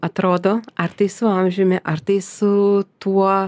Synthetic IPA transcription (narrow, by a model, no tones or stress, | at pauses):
ɐt̪ɾoːd̪oːɐrt̪ɐɪsʊɐmʲʒʲʊmʲɛʔɐɾt̪ɐɪsʊt̪uɔ